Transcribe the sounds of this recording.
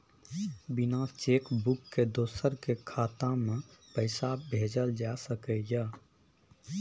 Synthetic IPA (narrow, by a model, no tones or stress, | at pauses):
bɪnaːst͡ʃeːkbʊkːed̪oːsəɾkekʰaːt̪ãmẽpəɪsabʱeːd͡ʒəld͡ʒasəkəja